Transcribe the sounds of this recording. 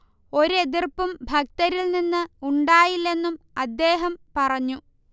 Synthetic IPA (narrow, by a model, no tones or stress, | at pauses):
o̞ɾe̞ðirpːumbʱɐk̚t̪ɐɾilninːɨuɳɖaːjilːenːum | ɐd̪ːe̞ːɦɐmpɐrɐɲːu